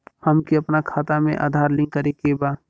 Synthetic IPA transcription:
həmkiəpnakʰaːt̪amḛ̃ʔa̰ːd̪ʱaːɾlɪ̃ŋkəɾekebaː

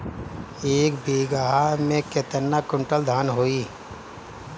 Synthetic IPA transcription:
eːkbeːɡaːɦamẽket̪ənːakʊ̃ɳʈəld̪ʱaːnɦoːiː

